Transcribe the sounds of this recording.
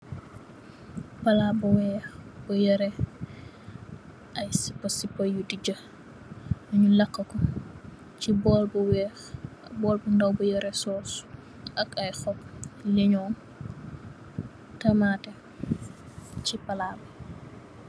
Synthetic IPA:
pɐlabɐwɛːxbujɐɾɛ | ʔɐjsi̥pːɐsipːɐjudiɟɐ | ɐɲulɐkːɐkɔ | cibɔːlbuwɛːx | bɔːlbundawbujɐɾɛsɔːs | ʔɐkajxɔp̚leɲɔːn | tɐmatɛ | cipɐlaːbɐ

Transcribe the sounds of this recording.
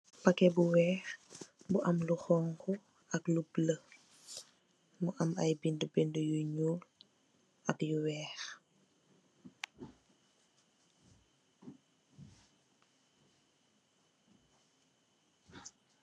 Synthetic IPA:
pɐkɛbuwɛːxbuʔɐmluxɔːŋkʰɔ | ɐklublə | muʔɐmɐjbindubindujuɲuːl | ɐkjuwɛːx

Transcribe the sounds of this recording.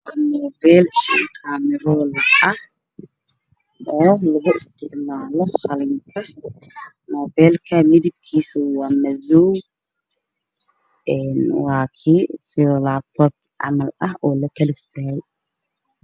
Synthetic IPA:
nɔːbɛːlʃɪŋkʰaːmɪɾɔːlɐɐh | ɔːlɐɣʊʔɪst̪ʰɪʕmaːlɔχɐlɪŋkʰɐ | nɔːbɛːlkʰɐmɪðɪb̚kʰiːsʊwɑːmɐðɔw | ʔɛːnwaːkʰisɪðɔːlaːt̪ʰɔːd | ʕɑ̰mɐlɐɦʔɔːlɐkʰɐlɪfʊɾaːj

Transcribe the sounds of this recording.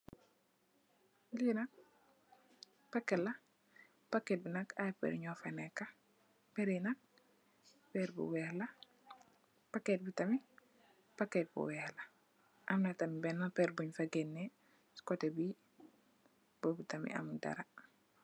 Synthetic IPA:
linak̚ | pakːɛla | paket̚binakajpɛ̰ɾɲɔfanɛkːa | peɾinak̚ | pɛɾbṵwɛhla | paket̚bitami | paket̚bṵwɛhla | ʔamnatamibɛnːapɛɾbuɲfaɡenːe | skotebi | b̥obitamḭa̰mda̰ɾa

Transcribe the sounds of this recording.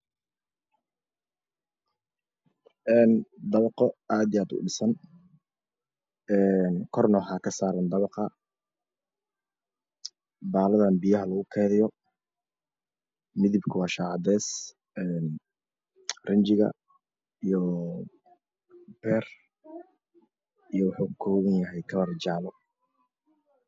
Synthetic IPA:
ʔɛːnd̪ɐβɑqɔaːd̪ijaːd̪ʊ̰ɖɪsɐn | ɛːnkʰɔrnɔɦakʰɐsaːɾɐnd̪ɐβɑqɑ | baːlɐðaːnbijɐɦɐlɐɣʊkʰɛːðɪjɔ | mɪðɪbkʰʊwɑːʃaːʕɑd̪ɛːs | ɛːn | rɪɲt͡ʃɪɣɐ̰ | ijɔ | b̥ɛːr | ijɔwɑħuːkʰɔːɣɐnjɐɦɛjkʰɐβɐrd͡ʒaːlɔ

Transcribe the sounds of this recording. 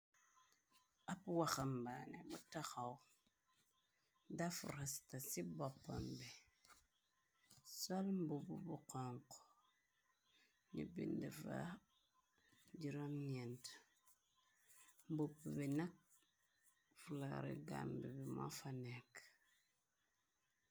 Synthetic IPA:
apwaxambanebutaxaw | dafuɾastasibopːa̰mbi | solmbububuqɔŋko̥ | nḭbḭndifa̰ | d͡ʒiɾomɲɛnt | mbububinak̚ | fulaɾḭɡa̰mbibima̰fanek

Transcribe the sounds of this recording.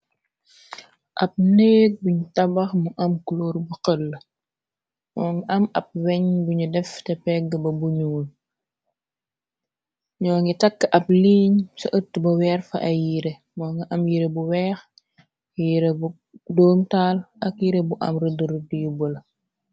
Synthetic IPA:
ʔɐp̚neːk̚buɲutɐbɐxmuʔɐmkuloːɾbuqəlː | mɔːŋɐʔɐmɐp̚wɛɲbuɲudɛftɛpɛɡəbɐbuɲuːl | ɲɔːŋɡitɐkːəʔɐp̚liːɲsɔʔətːbɐwɛːrfɐ̰ʔɐjiɾe | mɔːŋɡiʔɐmjiɾebuwɛːx | jiɾebu | dɔːmtaːlʔɐkjiɾebuʔɐ̰mrədəɾdijubəl

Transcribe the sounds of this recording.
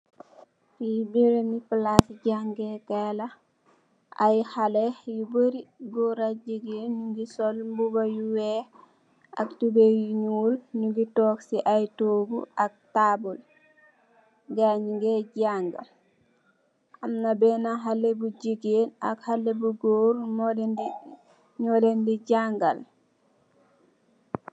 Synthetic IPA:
fibiɾenipəlasɟaŋɡekɛla | ajhalejubəɾiɡoɾaɟiɡenɲuŋɡisɔlmbubajuwɛ | a̰k̚tubejiɲuːlɲuɡitɔːksiʔajtoːɡṵʔak̚tabul | ɡaɲiŋɡɛɟaŋɡa̰l | ʔamnabɛnaɦalebuɟiɡenakhalːebuɡoːɾmɔlnd | ɲɔlendiɟaŋɡal

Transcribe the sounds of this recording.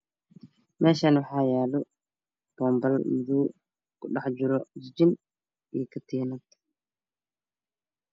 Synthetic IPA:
mɛːʃaːnwɑħaːjaːlɔ | b̥ɔːmbɐlmʊðuː | kʰʊɗɑħd͡ʒʊɾɔd͡ʒɪd͡ʒɪn | ikʰɐt̪ʰiːnɐt̪

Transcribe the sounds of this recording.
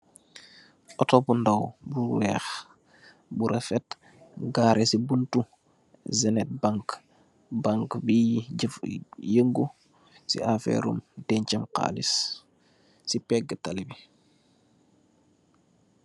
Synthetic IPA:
ʔɔtɔbundawbuwɛːx | buɾʔɛfɛt | ɡaːɾʔɛsibuntu | zɛnɛt̚baŋk | baŋkbi | jəŋɡu | sḭafɛ̰ɾṵmtɛɲt͡ʃɐmqa̰ːlḭs | sipɛɡːətalibi

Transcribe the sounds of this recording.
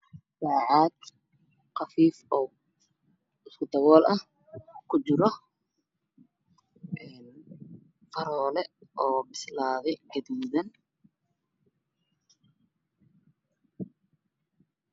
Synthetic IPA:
saːʕɑːd̪ | qɑfiːfɔw | ɪskʰʊd̪ɐɣɔːlʔɐh | kʰʊt͡ʃɪɾɔ | ʔɛːn | fɐɾɔːlɛʔɔːbɪslaːðɛʕɪðuːðɐn

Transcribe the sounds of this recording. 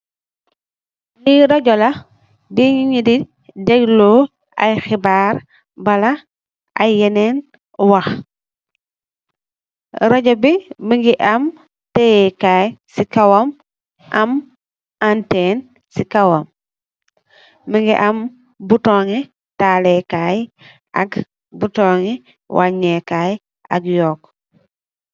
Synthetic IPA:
liɾoɟɔla | biɲiɲidi | deɡlo | a̰jxibaɾ | bala | ʔa̰jenen | wax | ɾoɟɔbimiŋɡiʔam | tejekajsikawom | ʔam | anteːn | sikawom | miŋɡiʔam | butoŋi | talekaj | a̰ɡ | butoːŋi | wʔaɲekaj | a̰ɡjoːk

